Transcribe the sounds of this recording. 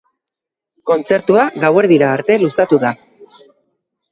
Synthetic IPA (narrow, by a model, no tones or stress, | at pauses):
ko̞nt͡se̞ɾt̪uaɣawe̞ɾðiɾaːɾt̪e̞lusat̪uða